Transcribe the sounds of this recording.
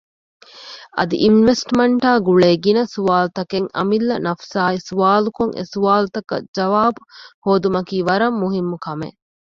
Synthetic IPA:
ʔɐ̰d̪ḭʔinʋesʈmɐɳʈaːɡuɭeːɡinɐsuʋaːlut̪ɐkeŋɐ̰milːɐnɐfsaːisuʋaːlukoŋʔḛsuʋaːlut̪ɐkɐ̰d͡ʒɐʋaːbuhoːd̪umɐkiːʋɐɾɐmːuɦimːukɐmḛ

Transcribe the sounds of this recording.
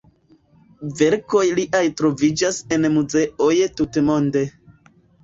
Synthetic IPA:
ve̞ɾko̞jliʔajtɾo̞vid͡ʒase̞nmuze̞ʔo̞jtutmo̞nde̞

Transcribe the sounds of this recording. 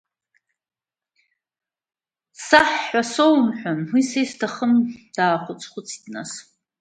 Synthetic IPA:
saħːasowmħʷᶣanwisejstʰaχəmd̥aːχʷʊt͡sʰʼχʷʊt͡sʰi̥dna̰s

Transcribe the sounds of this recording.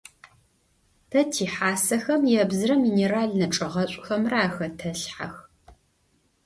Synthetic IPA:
tʰɐtʰiːħaːsɐxɐmjɛbzɨrɐmiːneːɾaːɮnɐʈ͡ʂʼɐʁɐɕʷʼxɐmraːxɐtʰɐɬħa̰x

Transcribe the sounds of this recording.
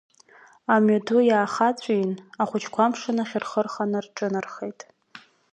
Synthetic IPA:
amadʰujaːχat͡sʷʰʼinaχʷʊt͡ʃʰkʷʰamʂɨnaχʲɪrχərχanɨrʈ͡ʂʼɨnarχejtʼ

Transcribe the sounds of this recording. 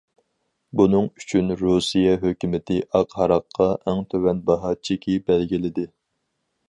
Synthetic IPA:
bunɨŋyt͡ʃʰynɾusijɛɦøkʲymɪt̪ʰɪʔɑqhɑɾɑqʰːɑʔɛŋt̪ʰøwɛnbɑɦɑt͡ʃʰikʲʰibɛlɡʲilɪd̪ɪ

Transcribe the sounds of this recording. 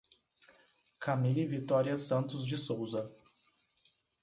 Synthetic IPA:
kʰɐmilivit̪ɔɾiɐsɐ̃nt̪ʊzd͡ʒɪsowzɐ

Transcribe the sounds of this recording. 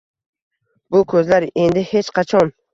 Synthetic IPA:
bʊkʰɵzlaɾe̞nd̪ɪhe̞t͡ʃqʰat͡ʃʰɒn

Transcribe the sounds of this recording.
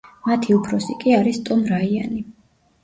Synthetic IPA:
mat̪ʰiupʰɾɔsikʼiaɾist̪ʼɔmɾaiani

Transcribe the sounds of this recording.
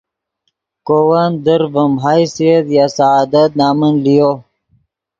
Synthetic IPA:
kowand̪əɾvəmɦajsiet̪jaːsaaːd̪ət̪̚naːmənlijo

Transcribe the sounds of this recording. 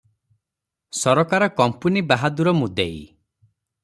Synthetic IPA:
sɔɾɔkaɾɔkɔmpunibaɦad̪uɾɔmud̪eḭ

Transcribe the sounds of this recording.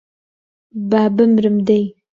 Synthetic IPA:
babəmɾəmd̪aj

